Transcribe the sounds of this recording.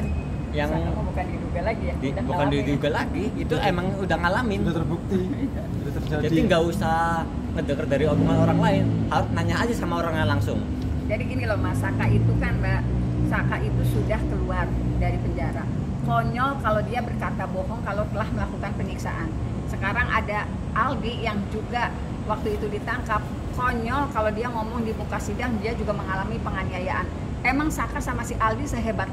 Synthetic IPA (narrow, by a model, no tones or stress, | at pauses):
jaŋbukandiduɡalaɡijadibukandiduɡalaɡiːt̪uʔemaŋudaŋalamɪnbuk̚t̪i | d͡ʒadiŋɡausa | kədəkərdaɾiobuŋanoɾaŋlaɪnhaʊt̪̚naɲaːd͡ʒasamaoɾaŋjaŋlaŋsʊŋ | d͡ʒadikinilɔhmasakaʔit̪ukanbasakaʔit̪usudahkəluardaɾipəɲd͡ʒaɾa | kɔɲɔlkalawdiabərkat̪abɔɦɔŋkalawt̪əlahməlakukanpəniksa̰ʔan | səkaɾaŋa̰da | ʔalbijaŋd͡ʒuɡa | wak̚t̪uit̪udit̪aŋkap̚ | kɔɲɔlkalawdiaŋɔmɔŋdibukasidaŋdiad͡ʒuɡaməŋalamipəŋaniajaʔan | emaŋsakasamasiʔalbisəɦebat̪̚